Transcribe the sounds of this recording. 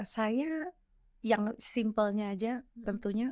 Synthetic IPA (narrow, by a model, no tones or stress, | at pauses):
saja | jaŋsimpəlɲaːd͡ʒat̪ənt̪uɲa